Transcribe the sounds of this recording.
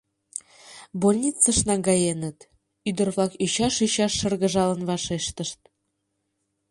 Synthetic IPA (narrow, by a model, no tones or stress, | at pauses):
bolʲnʲit͡səʃnɑɡɑjenə̆t̪ | yd̪ə̆rβlˠɑkyɕɑʃyɕɑʃːɤ̆rɣə̆ʒɑlə̆nβɑʃeʃt̪əʃt̪̚